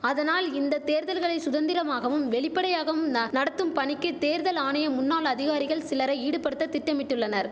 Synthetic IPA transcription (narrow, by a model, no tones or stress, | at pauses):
ɐðɐnaːlɪnd̪ɐt̪eːɾðɐlɣɐɭɐɪsʊðɐnd̪ɪɾɐmaːɣɐʋɯmʋɛɭɪpːɐɽɐjaːɣɐʋɯmnɐɽɐt̪ːɯmpɐɳɪkːɯt̪eːɾðɐlaːɳɐjɐmʊnːaːlɐðɪɣaːɾɪɣɐɭsɪlɐɾɐiːɽɯpɐɽɯt̪ːɐt̪ːɪʈːɐmɪʈːɯɭːɐnɐɾ